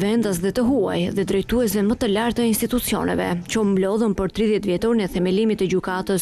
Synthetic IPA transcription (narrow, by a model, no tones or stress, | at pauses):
vɛnd̪as̬ðɛt̪əɦua̰jðɛd̪ɾɛjt̪uɛsvɛmət̪əlaɾt̪əinst̪it̪ut͡siɔ̰nɛ̰vɛ̰t͡ʃɔmblɔðəmpəɾt̪ɾiðjɛt̪vjɛt̪ɔɾnəθɛmɛlimit̪əd͡ʑykat̪əs